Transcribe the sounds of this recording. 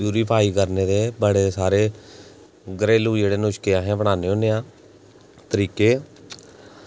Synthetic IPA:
uːɾiːpʰaːiːkəɾneːd̪eːbəɽeːsaːɾeː | ɡəɾeːlũːd͡ʒeːɽeːnʊʃkeːaːɦẽːbəɽ̃aːneːoːneːãː | t̪əɾiːkeː

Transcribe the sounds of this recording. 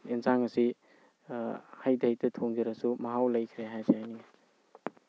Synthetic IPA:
inzaŋɐsi | hajdajtɐtʰoŋɡiɾasumaɦawlajkʰɾeɦajzeajniŋa

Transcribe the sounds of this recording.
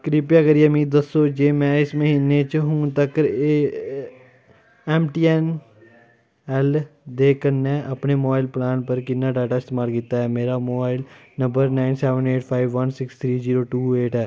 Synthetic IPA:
kɾipjakəɾiaːmiːd̪əsːoːd͡ʒeːmɛ̃ːɪsməɦiːnːeːt͡ʃɦʊːt̪əkɾ | ɛːmʈiːɛn | ɛld̪eːkənːɛːʔəpneːmobaːɪlplaːnpəɾkɪnːaːɖaːʈaːɪst̪eːmaːlkɪt̪ːaɦɛːmeːɾamoːbaːɪl | nə̃mbəɾnaːɪnsɛːʋəneːʈpʰaːɪʋʋənsɪkst̪ʰɾiːziːɾoːʈuːeːʈɛː

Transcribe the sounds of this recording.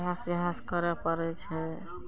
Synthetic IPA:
ɦasiɦãskəɾɛpəɾɛt͡ʃʰɛ

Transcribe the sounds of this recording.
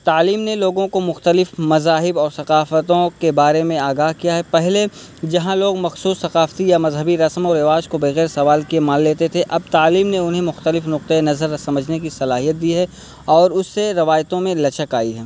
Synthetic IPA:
t̪aːliːmneloːɡõkomʊxt̪əlɪfmɐzaːɦɪbɔːɾsɐqaːfət̪õkebaːɾemẽaːɡaːɦkijaɦɛpɛɦle | d͡ʒɐɦãloːɡmɐxsuːsːɐqaːft̪ijamɐzɦəbiɾɐsəmɔːɾɪʋaːd͡ʒkobeɣɛːɾsɐʋaːlkiemãːnleːt̪et̪ʰeʔɐb̚t̪aːliːmneʊnɦẽmʊxt̪əlɪfnʊq̚t̪əenɐzəɾsɐməd͡ʒʱnekisɐlaːɦijət̪̚d̪iɦɛ | ɔːɾʊsːeɾɐʋaːjt̪õmẽlɐt͡ʃəkaːiɦɛː

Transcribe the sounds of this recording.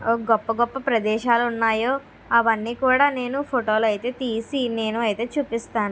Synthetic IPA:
ɡɔpːɐɡɔpːɐpɾɐd̪ɛːʃaːluunːaːjoː | ɐʋɐnːiːkuːɽaːne̞ːnupʰoʈo̞ːlɐjit̪e̞ːt̪iːsine̞ːnuɐjit̪e̞ːt͡ʃuːpist̪aːnu

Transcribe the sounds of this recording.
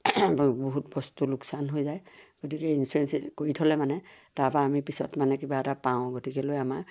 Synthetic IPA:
boɦutbɔstuluksanɦojzajɡ̥otikɛinsuɹɛnsikoɹitʰɔlɛmanɛtaɹpaamipisɔ̰tmanɛkibaɛtapaʊ̃ɡotikɛlojamaɹ

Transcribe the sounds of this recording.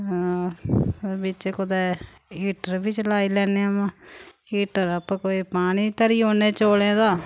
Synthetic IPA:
bɪt͡ʃkʊd̪ɛː | iːʈəɾbit͡ʃlaːiːlɛːneːmãːiːʈəɾəpãːkoːiːpaːɽ̃iːt̪əɾiːɦoːneːt͡ʃoːlẽːd̪aː

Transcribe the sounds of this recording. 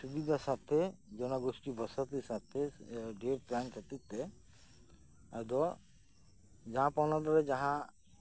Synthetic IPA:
subid̪ʱasat̪ʰed͡ʒɔnaɡosʈibɔsat̪isat̪ʰːeɖeɾpɾankʰat̪it̪ːɛ | ad̪ɔ | d͡ʒaɦãpawnad̪ɔɾɛd͡ʒaɦã

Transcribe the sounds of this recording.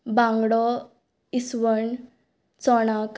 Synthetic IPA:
bãŋɡɽɔ | isʋəɳ | t͡sɔɽ̃ak

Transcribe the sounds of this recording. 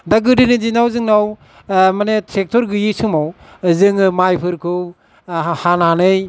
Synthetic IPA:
daɡɯdɯnizinawzɯŋnaw | manetʰɾek̚tʰɔɾɡɯjisumaw | zɯŋɯmajpʰɯɾkʰɯw | hananɯj

